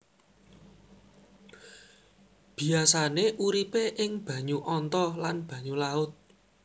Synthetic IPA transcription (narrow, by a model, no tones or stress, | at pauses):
b̥i̤asaneʔuɾipeʔɪŋb̥ä̤ɲuʔɔnt̪ɔlanb̥ä̤ɲulaʊt̪̚